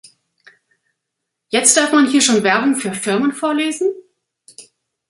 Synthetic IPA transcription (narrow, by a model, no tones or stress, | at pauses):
jɛt͡std̥aɐfmanhiːɐʃoːnvɛɐbʊŋfyːɐfɪɐmənfoːɐleːzn̩